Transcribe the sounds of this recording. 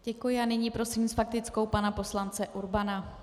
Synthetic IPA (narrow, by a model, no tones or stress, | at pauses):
ɟ̥ɛkujɪanɪɲiːpɾo̞siːmsfak̚t̪ɪt͡sko̞wpanapo̞slant͡sɛʔuɾbana